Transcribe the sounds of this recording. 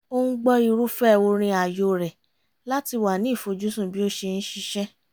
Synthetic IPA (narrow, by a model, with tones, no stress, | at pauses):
o˧ñ̩˦ɡ͡bɔ˧i˧˨ɾu˦fɛ˦˨wo˧ɾ̃ĩ˧a˨jo˨ɾɛ˨ | la˦ti˧wa˨nĩ˦i˦˨fo˨˧d͡ʒu˦sũ˦˨bi˨˦o˦ʃe˧ñ̩˦ʃi˧ʃɛ˦